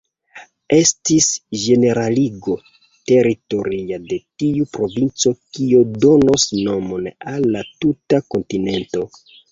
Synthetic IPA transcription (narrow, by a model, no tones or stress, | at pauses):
e̞stisʒe̞ne̞ɾaliɡo̞ | te̞ɾito̞ɾiade̞tiupɾo̞vint͡so̞kiodo̞nosno̞mo̞nalːatutako̞ntine̞nto̞